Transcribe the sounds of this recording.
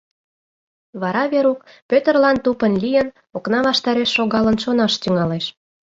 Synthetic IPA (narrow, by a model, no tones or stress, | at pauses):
βɑɾɑβeɾuk | pʲøt̪ərlɑnt̪upənlʲijən | oknɑβɑʃt̪ɑɾeʃːoɣɑlə̆nʃonɑʃt̪yŋɑleʃ